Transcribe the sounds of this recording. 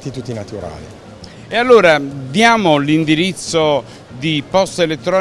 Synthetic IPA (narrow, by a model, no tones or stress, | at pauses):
t̪it̪ut̪ːinat̪uɾa̰ːlḭ | ealːoːɾad̪jaːmolind̪iɾit̪sːo | d̪ipɔst̪elet̪ːɾɔː